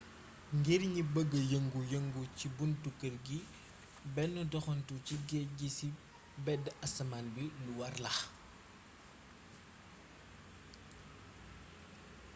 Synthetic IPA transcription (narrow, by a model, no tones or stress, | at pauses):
ŋɡiɾɲibəɡːəjəŋɡujəŋɡucibuntukːərɡi | bɛnːudɔxɔntuciɡɛɟisi | bɛdɐsɐmanbiluwɐrlɐx